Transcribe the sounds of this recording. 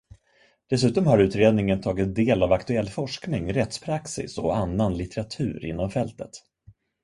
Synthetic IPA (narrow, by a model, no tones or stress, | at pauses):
d̪̥ɛsʉ̟ːt̪ɔmhaɾʉ̟ːt̪ɾeːd̪nɪŋənt̪ʰɑːɡɪt̪̚d̪eːlavakt̪ɵɛlːfɔʂknɪŋɾɛt̪spʰɾaksɪ̰sɔanːanlɪt̪ɛɾat̪ʰʉ̟ːɾɪ̰nːɔmfɛlt̪ət̪